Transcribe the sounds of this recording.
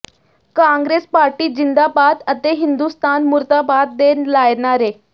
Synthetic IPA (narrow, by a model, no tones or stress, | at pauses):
kãŋɡɾespaɾʈiːd͡ʑind̪abad̪ət̪eɦind̪ust̪ʰanmuɾt̪abad̪ːelajɳaɾe